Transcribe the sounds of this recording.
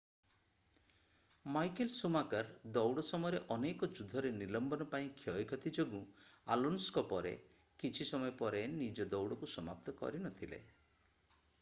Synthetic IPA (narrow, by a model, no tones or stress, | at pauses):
majkelsumakaɾd̪ɔwɽɔsɔmɔjɔɾeʔɔnekɔd͡ʒud̪ʱːɔɾenilɔmbɔnɔpaĩkʰjɔjkʰɔt̪ʰid͡ʒoɡu | a̰lunskɔpɔɾḛ | kit͡ʃʰisɔmɔjɔpɔɾenid͡ʒɔd̪ɔwɽɔkusɔma̰p̚t̪ɔkɔ̰ɾinɔt̪ʰilḛ